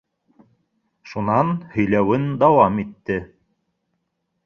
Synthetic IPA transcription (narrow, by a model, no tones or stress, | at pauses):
ʃunɑnhɵ̆jlæwɘnd̪ɑwɑmit̪ːɘ